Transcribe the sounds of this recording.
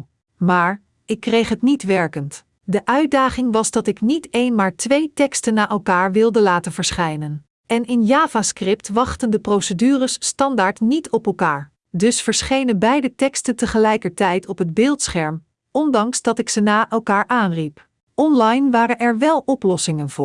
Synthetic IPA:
maːɹ | ɪkːrejχɦətnitʋɛɹkənt | dəʔœɥt̚daːχɪŋʋɑzdɑtɪknitejnmaːɹtʋejtɛkstənːaːʔɛlˠkaːɹʋɪlˠdəlaːtənvəɹsχɛjnən | ɛnɪnjaːvaskrɪptʋɑχtəndəprowsədyːrəsːtɑndaːɹtnitɔpɛlˠkaːɹ | dɵsfəɹsχejnənbɛjdətɛkstəntəχəlɛjkəɹtɛjtɔpɦəd̚bɪːlˠtsχɛɹm | ɔndɑŋsdɑtɪksənaːʔɛlˠkaːɹʔaːnrip | ʔɔnlɑjnʋaːɾənɛɹʋɛlˠɔplɔsɪŋənvʊːɹ

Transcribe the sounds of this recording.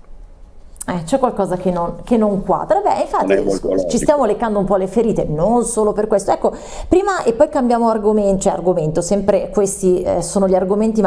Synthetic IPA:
ɛt͡ʃɛkːwalkɔːzakenːonkenːoŋkwa̰ːd̪ɾabɛ̰iɱfat̪ːḭt͡ʃist̪jaːmolekːand̪oumpɔlːefeɾiːt̪enonsoːloperkwest̪oɛkːo | pɾiːmaʔepːɔjkambjaːmoarɡoment͡ʃɛa̰rɡoment̪osɛmpɾekwest̪isoːnoʎiarɡoment̪̬im

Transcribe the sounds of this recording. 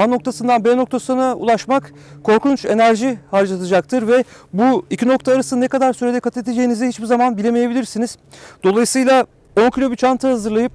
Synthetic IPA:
anːo̞k̚t̪ʰasɯnd̪anbɛno̞k̚t̪ʰasɯnaṵlˠaʃmak | kʰːo̞ɾkunt͡ʃe̞næɾʒihaɾd͡ʒaat̪ʰad͡ʒak̚t̪ʰɯɾvɛ | buicʰino̞k̚t̪ʰaːɾasɯnekad̪aɾsyɾe̞d̪ɛkʰat̪ʰed̪ed͡ʒe̞jinizɛhit͡ʃbizamanbilʲe̞meje̞bilʲiɾsiniz̥d̪̥o̞lˠajɯsɯjlˠa | o̞ncʰilʲo̞bit͡ʃʰant̪ʰɯhazɯɾlˠajɯp̚

